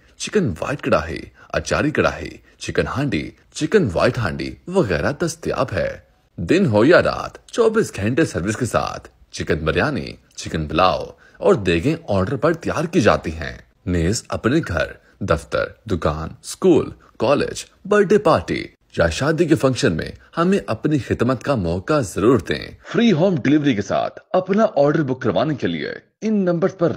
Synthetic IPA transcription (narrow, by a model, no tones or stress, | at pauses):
t͡ʃɪkənʋa̰ːɪʈ̚kɐɽaːɦḭa̰ːt͡ʃa̰ːɾikɐɽa̰ːɦḭ | t͡ʃɪkənɦãːɳɖḭ | t͡ʃɪkənʋa̰ːɪʈɦã̰ːɳɖḭʋɐɣɛːɾad̪ɐst̪ja̰ːbɦɛ̰ː | d̪ɪnɦojaɾa̰ːt̪ʰt͡ʃɔːbiːsɡʱɛ̃ːɳʈesɐɾʋɪskesa̰ːt̪ʰ | t͡ʃɪkənbɐɾjaːnḭ | t͡ʃɪkənbɐlaːo | ɔːɾd̪eːɡẽɔːɾɖəɾpɐɾt̪ja̰ːɾkid͡ʒa̰ːt̪iɦɛ̰̃ː | neːzɐ̰pneɡʱɐ̰ɾ | d̪ɐft̪ə̰ɾd̪ʊkaːnskuːl | kɔːlḛːd͡ʒ | bɐlʈepaːɾʈḭ | jaʃaːd̪ikefɐ̃ŋkʃənmḛ̃hɐmẽʔɐpnixɪd̪mət̪kamɔːkazɐɾuːɾd̪ḛ̃ːfɾiːɦoːmɖɪlɪʋɾikesa̰ːt̪ʰɐpnaʔɔːɾɖəɾbʊkɾəʋaːnekelḭḛ | ɪnːɐ̃mbəɾspɐɾ